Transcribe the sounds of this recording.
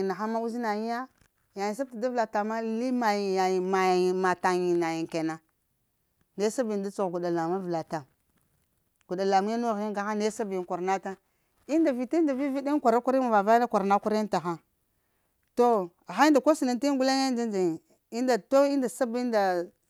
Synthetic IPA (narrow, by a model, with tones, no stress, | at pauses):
na˨xa˦ma˦u˦zi˦na˨ji˦ja˦ | ja˨ji˨ns̬a˦b̚ta˨da˦vla˨ta˨ma˦li˦ma˨ji˨ja˨ji˨ma˨ji˨ma˨ta˨ɲi˨na˨ji˨ŋke˨na˨ | ne˦sa˦bi˨nda˦t͡su˨ɣɡu˨da˨la˨ma˦vla˨ta˨ | ɡ̥u˨da˨la˨mu˦a˦nu˦˨ɣi˦ŋɡa˨xa˦ne˦sa˦bi˨n˨kʷa˨ɾna˦ta˦ | i˦nda˨vi˨ti˦nda˨vi˦vi˦di˦kʷa˨ɾa˦kʷa˦ɾi˦ma˨va˨va˦na˦kʷa˨ɾna˦kʷa˦ɾi˦n˦ta˨xa˦ | to˦˨ | xa˦i˦nda˨ko˦si˨na˨n˦ti˦ɡu˦la˦ŋa˦nd͡ʒa˦nd͡ʒa˨ | i˦nda˨to˦i˦nda˨sa˦bi˦nda˨